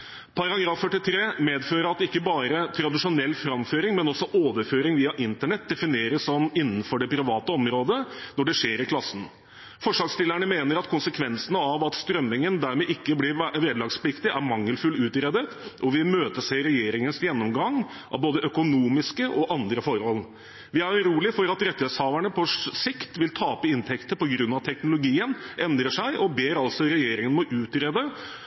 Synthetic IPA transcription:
pʰɑɾɑɡɾɑːfːœʈːɪt̪ʰɾeːmeːd̪føːɾəɾɑt̪ɪkːəbɑːɾət̪ʰɾɑd̪ɪʂʊnɛlːfɾɑmføːɾɪŋmɛnɔsːɔʔoːʋəɾføːɾɪŋʋiːɑʔɪnt̪əɳɛt̪̚d̪ɛfɪneːɾəsɔmɪnːn̩fɔɖɛpʰɾɪʋɑːt̪əɔmɾoːd̪ənɔɖɛʂeːɾɪkʰlɑsːən̩ | fɔʂɑːɡst̪ɪlːəɳəmeːnəɾɑt̪kʰʊnsəkʰʋɛnsənəɑʋɑt̪st̪ɾœmːɪŋənd̪æɾmɛʔɪkːəblɪʋeːd̪lɑːɡspʰlɪkt̪ɪʔæɾmɑŋːəlfʉlʉːt̪ɾɛd̪ət̪ʔɔʋɪmøːt̪əseːɾɛjeːɾɪŋənsjɛnːɔmɡɑŋ | ʔɑ̰ʋboːd̪əʔœkʊnuːmɪskəʔɔʔɑnd̪ɾəfɔɾhɔl | ʋɪæɾɾuːlɪfɔɾɑt̪ɾɛt̪ːɛsɑːʋæɳəpʰɔʂɪkt̪ʋɪlt̪ʰɑːpəɪnt̪ʰɛkt̪əpɔɡɾʉnːɑt̪ʰɛknʊlʊɡiːənʔɛnd̪ɾəʂæɪʔɔbeːɾɑlsɔɾɛjeːɾɪŋənmɔʔʉːt̪ɾɛd̪ə

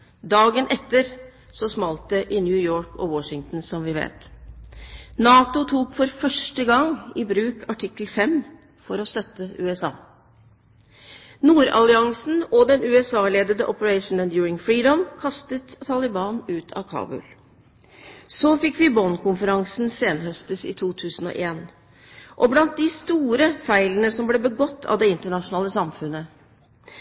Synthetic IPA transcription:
d̪ɑːɡənʔɛt̪ːəɾ | sɔsmɑlt̪̚d̪əʔɪnjʉːjoːɹkɔ̰wɔʂɪŋt̪n̩sɔmʋɪʋḛːt̪ | nɑːt̪ʊt̪ʰuːkfɔɾfœʂʈəɡɑŋɪbɾʉːkʰɑʈʰɪkəlfɛm | fɔɾɔst̪œt̪ːəʔʉːɛsɑ̰ː | nuːɾɑ̰lɪɑŋsn̩ɔd̪ɛnʉːɛsɑːleːd̪əd̪əʔɔpəɹɛɪʂn̩ɛnd̪juːɹɪŋfɹiːd̪ɔmkʰɑst̪ət̪ʰːɑlɪbɑːnʉːt̪ʰɑ̰kʰɑ̰ːbʉ̰l | sofɪkːʋɪbɔnkʰʊnfəɾɑŋsn̩seːnəhœst̪əsɪ̰t̪ʰuːt̪ʰʉːsən̩ɔ̰ʔeːn | ʔɔblɑnt̪̚d̪ɪst̪uːɾəfæɪlənəsɔmbleːbəɡɔt̪ʰːɑ̰ʋd̪ɛɪnt̪əɳɑʂʊnɑːləsɑmfʉnːə

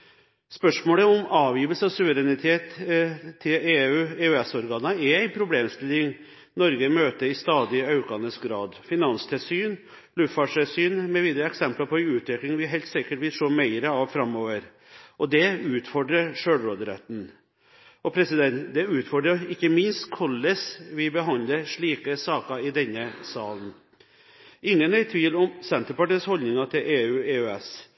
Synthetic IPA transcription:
spœʂmoːləɔmɑːʋjiːʋəlsəɔsʉʋəɾɛnɪt̪ʰeːt̪ʰː | ɪleːʉːeːʉɛsɔɾɡɑːnəɛɾæɪnpʰɾʊbleːmst̪ɪlːɪŋ | nɔɾɡəmøːt̪əɾɪst̪ɑːd̪ɪɑʉkɑnəsɡɾɑːd̪fɪnɑnst̪ʰɪlsyːn | lʉffɑʂɪlsyːnmɛʋiːd̪əɾəɛksɛmplɑpʰɔɛʉːt̪ʋɪklɪŋʋɪɦæɪlt̪sɪkəʈʋɪʂoːmæɪɾəɑʋfɾɑmoːʋəɾ | ʔɔd̪ɛʉːt̪fɔɖɾəʂøːlɾoːd̪ɾɛt̪n | ɔpʰɾɛsɪd̪ɛnt̪d̪ɛʉːt̪fɔɖɾəɪkːəmɪnst̪kʰɔlːəsʋɪbəɦɑnd̪əʂɭiːkəsɑːkəɪd̪ɛnːəsɑːln | ɪŋːənæɪt̪ʰʋiːlɔmsɛnt̪əɾpɑʈiːshɔld̪nɪŋɑt̪ʰɪlʔeːʉːeːøɛs

